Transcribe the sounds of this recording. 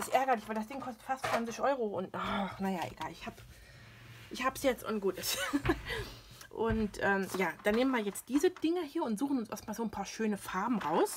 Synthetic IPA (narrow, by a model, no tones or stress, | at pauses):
ʔɪsʔɛɐɡɐlɪçv̥aɪldasd̥ɪŋkʰɔstə̥tfastt͡sv̥ant͡sɪçʔɔʏʁoʔʊntnanajaʔḛɡ̥aːlɪçhaːb | ʔɪçhaːbsjɛt͡stʔʊnɡ̥uːtəs | ʔʊntʔɛːmjaːd̥aːnːeːmənviːɐjɛt͡st̚d̥iːzəd̥ɪŋəhiːɐʊntz̥uːχn̩ʊnsʔɛ̰ɐtmaːlzoːnpʰaːɐʃøːnəfaɐbm̩ʁaʊs